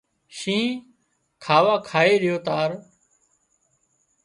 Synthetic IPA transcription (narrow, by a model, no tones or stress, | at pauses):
ʃĩː | kʰaːʋaːkʰaːeːɾɪjoːt̪aːɾ